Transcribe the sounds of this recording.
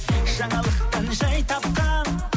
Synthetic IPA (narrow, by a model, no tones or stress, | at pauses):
ʒ̥ɑɴɑlˠəqt̪ɑnʒɑjt̪ʰɑp̚qɑ